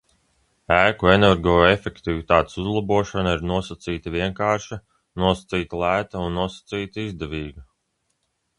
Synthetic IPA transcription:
æːkuenɛɾɡɔːefʲekt̪ivit̪aːt̪suzlˠabuɔʃɔnaiɾnuɔsat̪siːt̪aviɛŋkaːɾʃa | nuɔsḁt̪siːt̪lˠæːt̪aunːuɔsḁt̪siːt̪izd̪ɛviːɡɐ

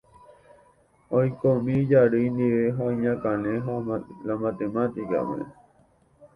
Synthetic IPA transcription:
ojkomĩd͡ʒaɾɨnd̪iʋeɦajɲãkãnẽɦalamat̪emãt̪ika̰mḛ̃

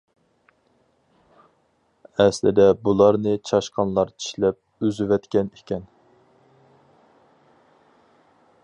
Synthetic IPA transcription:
ɛslɪ̰d̪ɛbulˠɑɾnɨt͡ʃʰɑʃqʰɑnlˠɑɾt͡ʃʰi̥ʃlɛp̚øzyvɛt̪kʲɛnikʲɛn

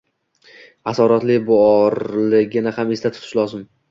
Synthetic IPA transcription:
asɒɾat̪lɪbʊɒɾlɪɡʲɪnɪhamest̪at̪ʰʊ̥p̪ʰɪ̥ʃlˠɒzɪm

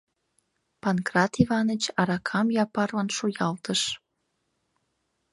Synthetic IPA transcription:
pɑnkrɑt̪ivɑnət͡ɕɑɾɑkʰɑmjɑpɑrlɑnʃujɑlt̪əʃ

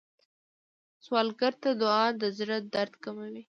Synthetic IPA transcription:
swɑlɡaɾt̪ad̪ʊɑnd̪əzɾad̪aɾd̪kamawi

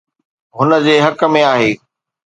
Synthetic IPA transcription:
ɦʊnə̆d͡ʑeːɦɐkə̆mẽaːɦeː

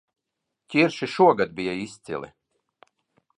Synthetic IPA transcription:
cʲiɾʃiʃuɔɡad̪̚bijaist̪sḭlḭ

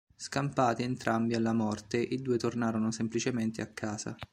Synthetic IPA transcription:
skampaːt̪ient̪ɾʔambialːamɔrt̪eʔid̪uːet̪ornaːɾonosemplit͡ʃement̪eakʰːaːza̰

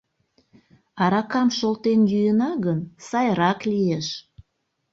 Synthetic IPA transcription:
ɑɾɑkɑmʃolt̪enjyjənɑɣənsɑjɾɑklieʃ

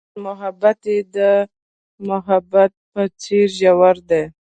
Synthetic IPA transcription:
mʊɦabat̪ed̪ə | mʊɦabat̪̚pət͡seɾʒawaɾd̪e

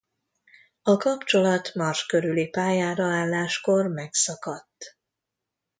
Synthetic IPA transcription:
ɒkɒpt͡ʃo̞lɒt̪mɒrʃkø̞ɾylipaːjaːɾɒaːlːaːʃko̞rmɛksɒkɒt̪ː

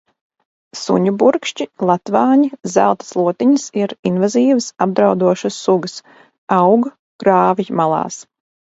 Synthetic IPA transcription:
sṵɲubuɾkʃt͡ʃilˠat̪vɑːɲizælˠt̪ə̥slˠuɔt̪iɲəsiɾinvaziːvəsab̚d̪ɾawd̪uɔʃɨsːuɡəs | awɡ | kɾaːvimalˠɑ̰ːs

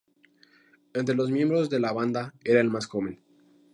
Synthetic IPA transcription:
ent̪ɾelo̞zmjẽ̞mbɾo̞zðe̞laβand̪ae̞ɾae̞lmasxo̞βe̞n

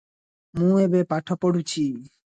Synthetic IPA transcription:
mũebepaʈʰɔpoɽut͡ɕʰi

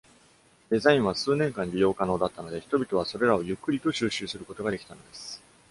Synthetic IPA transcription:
d̪̥e̞zaĩɰ̃βasɨːnẽ̞ŋkãn̟ːɾʲijo̞ːkano̞ːd̪at̪ːano̞d̪e̞çi̥t̪o̞bʲit̪o̞β̞aso̞ɾe̞ɾao̞jɯ̟kːɯ̟ɾʲit̪o̞ɕɨːɕɨːsɨɾɯko̞t̪o̞ɡad̪e̞kʲi̥t̪ano̞d̪e̞sɨ̥

